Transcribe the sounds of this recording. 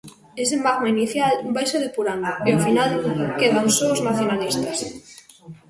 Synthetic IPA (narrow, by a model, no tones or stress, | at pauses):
esemaɣmeiniθjalumbajseðepuɾand̪oeofinalkeð̞awnsoːznaθjonalist̪as